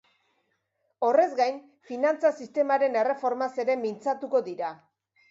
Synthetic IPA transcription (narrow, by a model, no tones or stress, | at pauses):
o̞re̞zɡajn | finant͡sasist̪e̞maɾe̞ne̞re̞fo̞ɾmase̞ɾe̞mint͡sat̪uko̞ðiɾa